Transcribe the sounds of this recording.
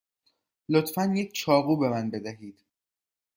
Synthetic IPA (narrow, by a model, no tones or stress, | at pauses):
lot̪fænjec̚ʰt͡ʃʰɒːɣuːbe̞mænbe̞d̪æɦiːd̪̥